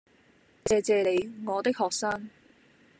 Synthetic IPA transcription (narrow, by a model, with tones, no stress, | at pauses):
t͡sɛː˨˧t͡sɛː˧le˨˧jŋɔː˨˧t̪ɪ˥k̚hɔː˨k̚saː˥ŋ